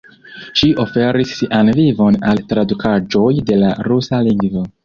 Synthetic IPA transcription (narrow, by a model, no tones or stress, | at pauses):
ʃiʔofe̞ɾisanvivo̞naltɾadukʰad͡ʒo̞jde̞laɾusaliŋɡvo